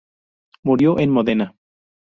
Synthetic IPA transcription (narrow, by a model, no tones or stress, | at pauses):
muɾjoʔenmoðena